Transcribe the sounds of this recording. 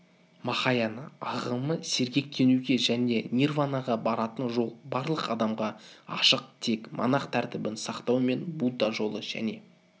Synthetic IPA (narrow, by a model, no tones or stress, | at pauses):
mɑχɑjɑnə̰ɑʁəməse̞ɾɡʲe̞k̚t̪ʰe̞nuɡʲe̞ʒæne̞nʲirvanɑʁɑbɑɾɑt̪ənʒo̞lˠbɑɾlˠəqɑd̪ɑmʁɑɑ̰ʃəq̚t̪ʰe̞kmɑ̰nɑqt̪ʰæɾt̪ɪbɪnsɑqt̪ɑwme̞nbud̪ɑʒo̞lˠəʒ̥æ̰ne̞